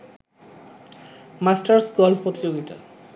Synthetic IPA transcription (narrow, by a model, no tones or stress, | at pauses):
masʈaɾsɡɔlfpɾot̪id͡ʑoɡit̪a̰